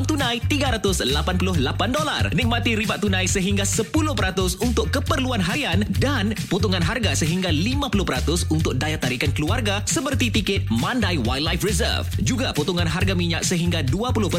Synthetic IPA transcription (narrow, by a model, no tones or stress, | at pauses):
mt̪unãjt̪iɡaɾat̪ʊslapanpulʊhlapandola̰rnik̚mat̪iɾibaʔt̪ːunãjsəɦiŋɡasəpulʊhpəɾat̪ʊsunt̪ʊkːəpərluanɦaɾiandanput̪uŋanɦarɡasəɦiŋɡalimãpulʊhpəɾat̪ʊsunt̪ʊk̚dajat̪aɾikankəluarɡasəpərt̪it̪ikɪt̪mãndajwajlajfrɛzə̰rfd͡ʒuɡaput̪uŋanɦarɡamiɲa̰k̚səɦiŋɡaduapulʊhp